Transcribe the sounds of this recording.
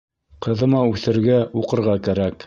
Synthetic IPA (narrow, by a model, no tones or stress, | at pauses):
qɤ̆ðɤ̆mɑʉθɘ̆ɾɡæuqɤ̆ɾʁɑkæɾæk